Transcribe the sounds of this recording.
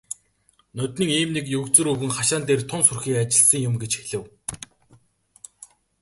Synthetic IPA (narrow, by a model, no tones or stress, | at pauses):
nʊt̪ʲniːŋiːmnekjɵkt͡sɵ̆ɾɵwɘ̆ŋχaʃaːnt̪eːrt̪ʰʊnsʊrxiːkat͡ɕɪ̆ɮsə̆ŋjʊmɡet͡ɕxeɮɘ̆w